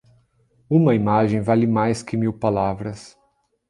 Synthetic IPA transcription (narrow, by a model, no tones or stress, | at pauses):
ũmɐimaʒẽj̃valɪmajskɪmiwpalavɾɐs